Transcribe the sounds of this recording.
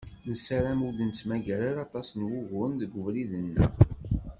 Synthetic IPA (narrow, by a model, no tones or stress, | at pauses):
ðəsæɾæmulənt͡sːmæʝæɾalɑt̪ˤɑsnwʊɣʊnðəɡʊvliðənːə̰